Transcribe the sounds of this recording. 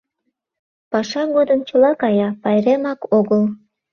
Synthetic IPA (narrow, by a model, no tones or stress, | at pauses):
pɑʃɑɣod̪əmt͡ɕəlɑkɑjɑpɑjɾemɑkoɣəl